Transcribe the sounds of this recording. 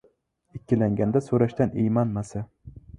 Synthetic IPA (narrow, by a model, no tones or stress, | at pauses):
ɪkʲʰːɪlaŋɡʲand̪asɵɾaʃt̪anejmanmasa